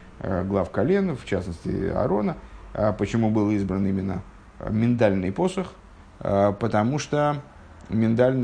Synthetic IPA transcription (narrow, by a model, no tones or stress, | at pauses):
ɡlˠafkɐlʲenft͡ɕasnəsʲtʲɪ̰ɐ̰ɾo̞nəpət͡ɕɪmubɨlˠizbɾənimʲɪnːə̰ | mʲɪnt̪alʲnɨjpo̞səx | əpət̪ɐmuʂt̪o | mʲɪnt̪alʲn